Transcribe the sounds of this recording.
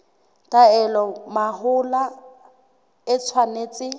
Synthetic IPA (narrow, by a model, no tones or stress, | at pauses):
tʼaɛlɔmaɦʊla | ɪt͡sʰwaneːt͡sʼɪ